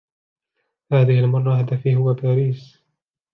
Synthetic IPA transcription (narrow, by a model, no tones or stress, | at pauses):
haːðɪhɪlmɑrˤːɑhad̪afiːɦʊwːabaːɾiːs